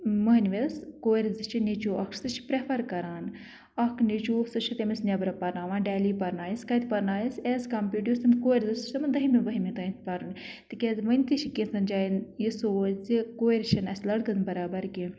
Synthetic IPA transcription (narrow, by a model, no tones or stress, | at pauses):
mɐɦnʋeskoːɾʲzɨt͡ʃʰinit͡ʃoːɐkʰsɨt͡ʃʰpɾepʰɐɾkɐɾaːn | ɐkʰnit͡ʃuːsɨt͡ʃʰit̪emisnʲɐbɾɐpɐɾnaːʋãːɖeːliːpɐɾnaːjiskɐt̪ʰʲpɐɾnaːjiseːzkɐmpʲiʈʲjusɐnkoːɾʲzɨst͡ʃsɐmd̪ɐɦimiʋɐɦimit̪ɐĩnt̪̚ʰpɐɾun | t̪ɨkʲezʋɐnʲt̪it͡ʃʰikʲinsɐnd͡ʒaːinjisoːzikoːiɾʃʰɐnɐsʲlɐɽɡɨnbɐɾaːbɐɾɡʲi